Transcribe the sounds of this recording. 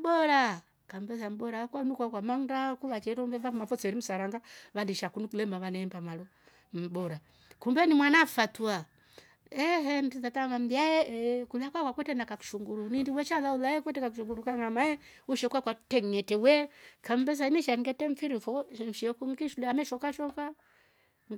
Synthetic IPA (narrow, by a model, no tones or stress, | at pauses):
bɔɾa | kambɛsam̩bɔɾakwanukwakwamandakuβat͡ʃɛɾɔmbɛvafmafɔt͡sɛɾim̩saɾaŋɡaβadiʃakunukulɛmaβanɛɛmbamalɔ | m̩bɔɾa | kumbɛnimwanafatua | ɛɦɛm̩tizatamam̩biajɛkulakwakwakwɛtɛnakaku̥ʃuŋɡuɾunindiwɛt͡ʃalaulajɛkwɛtɛkakuʃuŋɡuɾukaŋamajɛ | uʃɛkwakwatɛŋŋɛtɛwɛkam̩bɛs̬aimiʃaŋɡɛtɛɱfiɾifɔn̩ʃɛkuŋɡiʃulɛamɛʃɔkaʃɔka